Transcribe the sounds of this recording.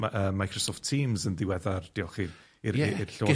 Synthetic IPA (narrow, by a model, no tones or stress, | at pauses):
aʔəːmːajkʰrɔsɔftʰiːmzənðɪwɛðard̥iɔχiː | iɾirɬoɪ